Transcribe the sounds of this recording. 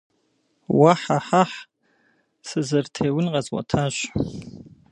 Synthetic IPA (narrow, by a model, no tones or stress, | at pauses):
waħaħaħ | sɨzɨrtʰeːwʊnqʼɐzwa̰tʰaʒ